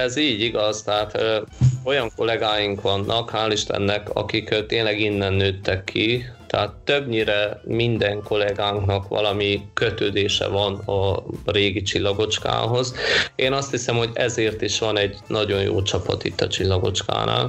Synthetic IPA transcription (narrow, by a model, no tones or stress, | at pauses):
ɛziːɟiɡɒzt̪ɛɦaːt̪ː | o̞jɒŋko̞lɛɡaːjiŋkʋɒnːʔɒkhaːliʃt̪ɛ̰nːɛkɒ̰kikt̪eːnlɛɡinːɛnːøːt̪ːɛkʰːit̪ɛɦaːt̪ːøbɲiɾɛmind̪ɛŋko̞lɛɡaːŋknɒkʋɒ̰lɒmikøt̪øːd̪eːʃɛ̰vɒnɒreːɡit͡ʃilːɒɡo̞t͡ʃka̰ːɦo̞zeːnɒst̪hisɛmho̞ɟɛzeːrt̪iʃʋɒnɛɟnɒɟo̞jjo̰ːt͡ʃɒpɒ̰t̪ḭt̪ːɒt͡ʃilːɒɡo̞̰t͡ʃka̰ːna̰ːl